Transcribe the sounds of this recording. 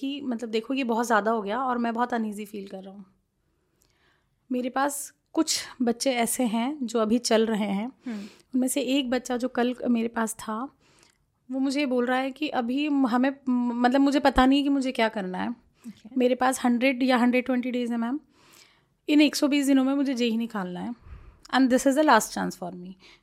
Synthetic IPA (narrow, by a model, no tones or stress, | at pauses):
kimɐt̪ləb̚d̪eːkʰoebɔɦɔt̪zʲjaːd̪aɦoɡɐjaɔːɾmɛ̃bɔɦt̪əniːzifiːlkɐɾːɐɦũː | meːɾepaːs | kʊt͡ʃʰbɐtːʃẽɛːseɦɛ̃d͡ʒoːɐbʱit͡ʃɐlɾɐɦeɦɛ̃ː | ʊnmẽːseeːk̚bɐtːʃad͡ʒoːkɐlmeːɾepaːst̪ʰa | ʋoːmʊd͡ʒʱejeboːlɾɐaɦɛkiʔɐbʱiɦɐmẽmɐt̪ləbmʊd͡ʒʱepɐt̪anɦĩk̬imʊd͡ʒʱekjaːkɐɾnaɦɛː | meːɾepaːshɐ̃ɳɖɾeɖjaɦɐ̃ɳɖɾeɖ̚ʈwɛ̃ɳʈiɖeːzɛ̃mɛ̃ːm | ɪneːksɔbiːs̬d̪ɪnõmẽmʊd͡ʒʱed͡ʒeːɦinɪkaːlnaɦɛɛ̃nd̪ɪsɪzd̪əlaːsʈʈt͡ʃã̰ːnsfɔːɾmĩː